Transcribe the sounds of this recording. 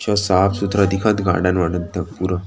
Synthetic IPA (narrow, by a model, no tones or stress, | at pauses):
t͡ɕasapsut̪ɾad̪ikʰat̪ɡa̰ɽãnʋaɽənt̪əkpuɾə